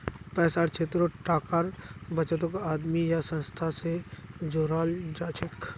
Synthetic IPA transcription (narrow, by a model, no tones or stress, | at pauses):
pɛːsaːɾt͡ʃʰeːt̪ɾoʈaːkaɾbɐt͡ʃət̪̬õkaːd̪mijasə̃nst̪ʰased͡ʒoːɾaːld͡ʒaːt͡ʃʰɪk